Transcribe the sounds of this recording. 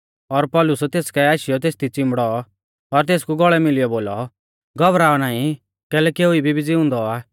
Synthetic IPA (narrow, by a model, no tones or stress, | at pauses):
ɔɾpɔlʊsɛt̪eːskɛaːʃɪjɔt̪̬eːst̪it͡sɪ̃mbɽɔ | ɔɾt̪̬eːskuɡɔɭɛmɪlijɔboːlɔ | ɡɔbɾaːɔnaːĩ | kɛːlɛkiʊibʱibʱid͡zɪʊ̃nd̪ɔaː